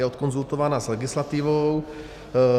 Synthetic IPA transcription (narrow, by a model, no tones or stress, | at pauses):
ɛɔt̪kɔnzult̪oʋanaːzlɛɡislat̪iːʋow